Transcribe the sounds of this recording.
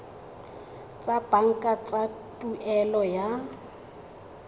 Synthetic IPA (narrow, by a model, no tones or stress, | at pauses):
t͡sʼab̥aŋ̩kʼat͡sʼa | tʼuʔɛlɔja